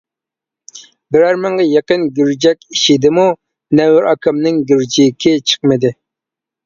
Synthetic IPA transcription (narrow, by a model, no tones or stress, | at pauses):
bɪɾæɾmɨŋʁɑjeqənɡʲyɾd͡ʒɛkʲiʃɪd̪ɪmu | nɛwɪɾɑkʰɑmnɪŋɡʲyɾd͡ʒikʲʰɪt͡ʃʰə̥qmɨd̪ɪ